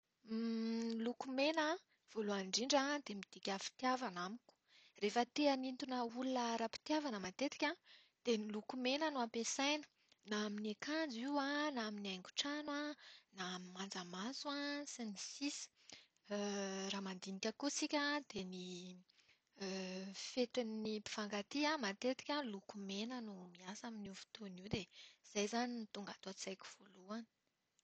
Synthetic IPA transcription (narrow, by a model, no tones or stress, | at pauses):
lukumena | v̥oloaɳɖ͡ʐiɳɖ͡ʐad̪emid̪̥ikʲafi̥t̪iavanamiku̥ | refət̪eənint̪unəulunəɾapi̥t̪javanəmat̪et̪i̥kʲã | d̪̥enilukumenənuampesajnə̥ | naaminekand͡ziwãnaaminajŋɡu̥ʈ͡ʂanwanamimand͡zamazwasinisisi̥ | raːmand̪inikʲəkusikʲəd̪eni | fet̪innipi̥v̥aŋɡat̪iamat̪et̪i̥kʲəlukumenənumiasaminiuv̥u̥t̪oniwd̪ez̥ajzanint̪uŋɡat̪oat͡sajkʲi̥v̥oluani̥